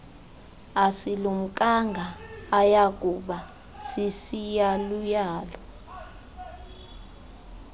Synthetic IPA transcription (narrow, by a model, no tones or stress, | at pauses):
asilum̩kʼaŋɡʱaːjak̬ʼuɓa | sisijalujaːlɔ